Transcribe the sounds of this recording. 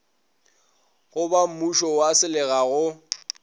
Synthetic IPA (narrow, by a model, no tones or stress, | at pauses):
ɣʊbam̩muʃɔwasɪlɪɣaɣʊ